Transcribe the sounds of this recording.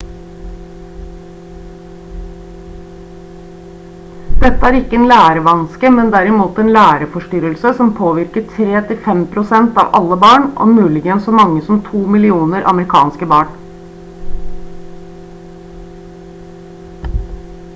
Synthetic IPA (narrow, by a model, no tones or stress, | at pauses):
d̪̥ɛt̪ːəæːɾɪkːəeːnlæːɾəʋɑnskəmɛnd̪æɾɪmuːt̪eːnlæːɾəfɔʂʈʏɾəlsəsɔmpʰoːʋɪɾkəʈʰɾeːt̪ʰɪfɛmpʰɾʊsɛnt̪ɑ̰ːʋʔɑ̰lːəbɑːɳʔɔ̰mʉːlɪɡənsɔmɑŋːəsɔmt̪ʰuːmɪlɪuːnəɾʔɑ̰məɾɪkʰɑ̰ːnskəbɑːɳ